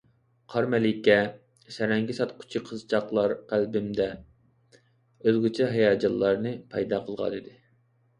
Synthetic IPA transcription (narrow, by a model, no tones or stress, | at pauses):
qʰɑɾmɛlɪkʲɛ | sɛɾɛŋɡʲisɑt̪qʰʊ̥t͡ʃʰiqʰəzt͡ʃʰɑqlˠɑɾqælbɪmd̪ɛ | øzɡʲut͡ʃʰɛɦɑjɑːd͡ʒɑlˠːɑɾnɨpʰɑjd̪ɑqʰəlˠʁɑ̰nɨd̪ɪ